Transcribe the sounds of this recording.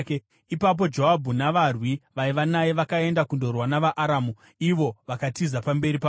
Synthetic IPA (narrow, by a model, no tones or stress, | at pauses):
ipap̬o̞d͡ʒo̞ɦabʱunaʋarwiʋaiʋanajeʋakae̞ndakundo̞rwanaʋaʔːɾaːmu | iʋo̞ʋakatizapambe̞ɾipa